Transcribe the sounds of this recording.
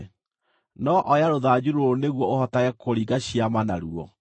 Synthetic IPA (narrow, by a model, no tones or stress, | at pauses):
nɔʔɔjaɾoðad͡ʑuɾooneɣwɔohɔtaɣɛkʰoɾiɡaɕiamana̰ɾuɔ̰